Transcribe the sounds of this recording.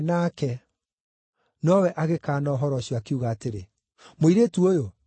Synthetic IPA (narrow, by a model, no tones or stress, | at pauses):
nakɛ | nɔwɛʔaɣekaːnɔɦɔɾɔɕjɔakeuɣaːteɾe | moiɾetuojo